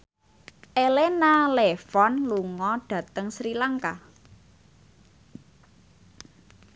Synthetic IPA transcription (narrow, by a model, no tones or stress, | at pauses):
ʔelenalefɔnluŋɔɖ̥ä̤t̪əŋsɾilaŋka